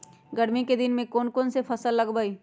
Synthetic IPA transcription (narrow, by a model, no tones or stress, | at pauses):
ɡəɽmiked̪ɪnmẽkoːnkoːnsepʰɐsəlːəɡbəi